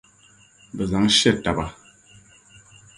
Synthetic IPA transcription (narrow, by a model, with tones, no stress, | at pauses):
bə˨za˨˦ŋ˦ʃɛ˦˨ta˨ba˨